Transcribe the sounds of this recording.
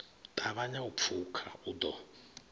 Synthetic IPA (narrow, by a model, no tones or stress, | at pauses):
tʼaβaɲaupfʰukʰa̰ud̪ɔ